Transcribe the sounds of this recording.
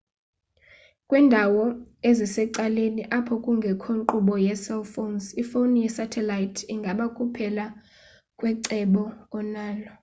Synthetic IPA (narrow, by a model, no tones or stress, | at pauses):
kʼwiːndʱawɔezisɛǀaleniʔapʰɔkʼuŋɡʱɛkʰoǃuɓɔjɛsɛlfonsifonijɛsatʰɛlajitʰiŋɡʱaɓakʼupʰɛla | kʼwɛǀɛɓɔːnaːlɔ